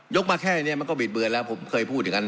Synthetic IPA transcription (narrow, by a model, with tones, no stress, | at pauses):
jo˦˥k̚maː˧kʰɛː˥˩a˨˩ni˥˩ma˧˩nkɔ˥˩bi˨˩t̪̚bɯ˧ənlɛː˦˥wpʰo˩˦mkʰɤː˧jpʰu˥˩t̪̚ʰːɯ˨˩˦ŋka˧n